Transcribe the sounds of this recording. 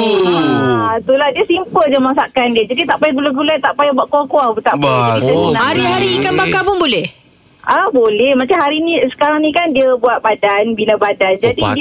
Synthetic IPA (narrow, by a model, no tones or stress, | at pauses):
at̪ulahdiəsimpərd͡ʒamasakandiəd͡ʒadit̪aʔpajaduləɡulat̪aʔpajabuaʔkoakoabut̪a̰ʔpaaiainahaɾiɦaɾiːkanbakapʊnbolɛh | ʔabolɛhmat͡ʃamɦaɾinisə̥kaɾaŋnĩkandiəbuat̪̚badanbinəbadand͡ʒadid